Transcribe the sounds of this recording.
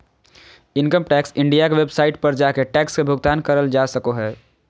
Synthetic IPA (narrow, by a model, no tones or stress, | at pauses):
ɪ̃nkəmʈɛːksɪ̃ɳɖijakeʋebsaːɪʈ̚pɐɾd͡ʒaːkeʈɛːkskebʱʊɡt̪aːnkɐɾəld͡ʒaːsɐkoɦɛː